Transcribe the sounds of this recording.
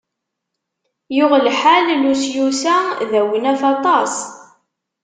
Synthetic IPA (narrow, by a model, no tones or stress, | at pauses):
jʊʁlħallusjusæðæwənæfɑt̪ˤɑs